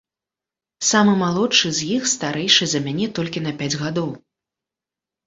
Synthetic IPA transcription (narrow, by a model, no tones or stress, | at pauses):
samɨmalˠɔtt͡ʂɨzʲjixst̪aɾʔɛjʂɨzɐmʲanʲɛt̪ɔlʲkʲinɐpʲad͡zʲɣad̪ɔw